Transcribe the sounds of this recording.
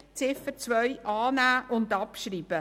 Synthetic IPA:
t͡sɪfət͡sʋœʏjʔɑːnæːʔʊndɑpʃɾiːb̥ə

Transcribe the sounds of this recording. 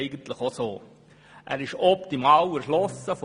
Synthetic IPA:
ɪɡən̩t̪ləχosoː | ʔæ̰ːɾɪʃɔpt̪imɑːwɛɾʃlɔsəf

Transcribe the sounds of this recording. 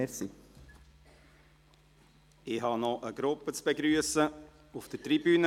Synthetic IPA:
si | ɪɦɑnɔʔəɡ̥ɾʊpːət͡sb̥eɡɾyəsə | ufd̥ətɾibyːnə

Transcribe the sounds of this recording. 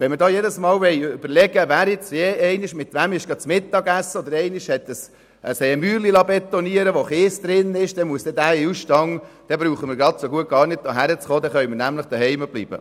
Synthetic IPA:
ʋɛnməɾdɑːjedəsmɑːlʋɛɪʏb̥əɾlɛɡ̥əvæːɾɪt͡sjeːɛɪnɪʃmɪt̪ʋæmɪʃɡ̥ɾɑd̪t̪t͡smɪt̪ːɑɡæsːəɔd̪əɾɛɪnɪʃhɛt̪ːəs | əsɛmyːɾlilɑbɛt̪ːɔniəɾəʋoχeːsd̪ɾɪnɪʃd̥̪ɛmuəsd̥̪ɛd̪æɪusʃtɑŋ | d̥ɛbɾuːχəmɪɾɡɾɑt̪soɡuəɡ̥ɑːɾnɪd̪̚d̪oɦæɾət͡sχoːd̪ɛχœʏmənæmləχd̥̪əhɛɪməb̥lḭːbə̰

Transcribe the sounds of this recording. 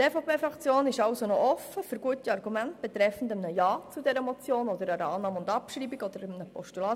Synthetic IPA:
tefopʰeːfɾɑkt͡sjoːnɪʃɑwsonɔʔɔfːəfʏɾɡuətiɑrɡumæntb̥ɛt̪ɾɛfn̩dəmnəjɑːt͡sudɛɾəmɔt͡sjoːnɔd̪əɾəɾɑːnɑːmʊndɑpʃɾiːbiɡɔd̥̪əɾəmnəpɔʃtulɑː

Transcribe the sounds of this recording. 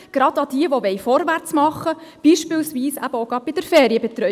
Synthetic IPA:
ɡ̥ɾɑdɑd̥iəʋoʋɛjfɔɾʋært͡smɑχːəb̥iːʃpɪːlsʋiːsæ̰b̥əoɡɾɑb̥ɪd̥əɾfɛːɾiəbɛt̪ɾœ

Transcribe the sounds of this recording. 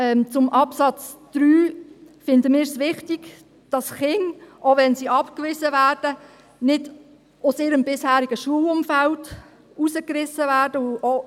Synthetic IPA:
ɛmt͡sʊmʔɑpsɑt͡sd̥ɾyːfɪndəmɪːɾsʋɪχtiɡ̥ | d̥ɑsχɪŋʔoʋɛnsiɑpkʋɪzəvæːrd̥ə | nɪd | ʊsɪːɾəmbɪshæːɾiɡ̥əʃuəlʊmfæld | usəkrɪsəvæːɾd̥əʊo

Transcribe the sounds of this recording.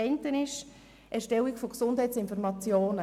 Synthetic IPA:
ɛntənɪʃ | ʔɛɾʃtɛlikfoɡsʊndhɛjtt͡sɪnfɔɾmɑt͡sjoːnə

